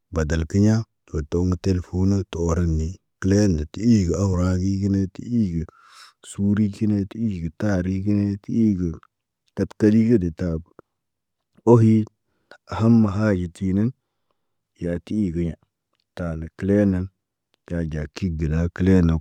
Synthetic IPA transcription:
ba˨da˨lki˦ɲa˦ | to˨to˦ŋə˦te˦lfu˦no˦to˨o˦ɾa˦nːi˨ | kə˦le˦ndə˨ti˦i˦ɡə˨a˦wu˨ɾa˦ɡi˦ki˦ne˦ti˦i˦ɡə˨ | su˦ɾi˦ki˦ne˦ti˦i˦ɡə˨ta˦˨ɾi˦ki˦ne˦ti˦i˦ɡə˨ | ka˦tka˦li˦kə˦de˨ta˨ | o˦ɦi˦ | a˨ha˦mːa˨ɦa˦d͡ʒi˨ti˨ni˦n˨ | ja˨ti˦i˦˨ɡə˦ɲa˨ | ta˨nə˨ki˦le˦nə˨˦n | ja˨d͡ʒa˨ki˦ɡə˨la˦ki˦le˦na˨

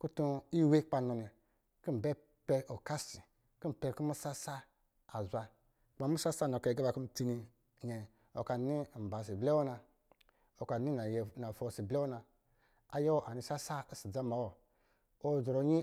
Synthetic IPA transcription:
ku˦tu˧i˦we˦k͡pa˧no˧ni˨ | ku˦˨bɛ˦ | pɛ˧ʔo˨ka˦si˨ | ki˦˨pɛ˧˨ku˦mu˦sa˦sa˦ | a˨zʷa˧ | k͡pa˨mu˦sa˦sa˦no˨ka˨ɡa˦ba˨ku˦m̩˦ti˧ni˧ | ɲɛ˨ | o̰˨ka˨˦ni˦˨m̩˨ba˨s̬i˨blɛ˦wo˦na˧ | o˨ka˨ni˦na˨jna˨fo˧si˨blɛ˦o˦na˧ | a˨je˦wʔa˨ni˨˧sa˦sa˦si˨d͡za˦ma˨˦wo˨ | o˦˨zo˨ɾo˨ɲi˦

